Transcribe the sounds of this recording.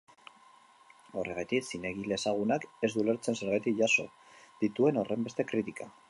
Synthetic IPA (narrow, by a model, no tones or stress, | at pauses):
o̞̰re̞ɣ̞ajt̪iksine̞ɣile̞saɣ̞unake̞zd̪ule̞ɾt͡se̞nse̞ɾɣajt̪ikʝaso̞̰ | ð̥it̪ue̞no̞re̞mbe̞st̪e̞kɾit̪ika